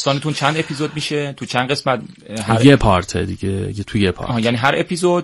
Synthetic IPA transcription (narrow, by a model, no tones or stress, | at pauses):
st̪ɒːnet̪unt͡ʃʰænd̪e̞pʰizod̪̚miːʃet̪ʰut͡ʃʰænd̪ʁe̞smæt̪̚ | hæɾjepʰɒɾt̪ʰed̪iɟejet̪ʰujepʰɒ̰ːjæniːɦæɾepʰizod̪